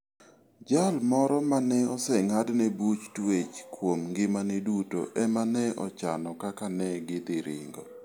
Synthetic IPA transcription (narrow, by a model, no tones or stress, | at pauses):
d͡ʒalmɔɾɔmanɛɔsɛŋadnɛbut͡ʃtwet͡ʃkwomŋɡɪmanɛduto̰ʔɛmanɛɔ̰t͡ʃa̰nɔkakanɛɡɪd̪ɪɾɪ̰ŋɡɔ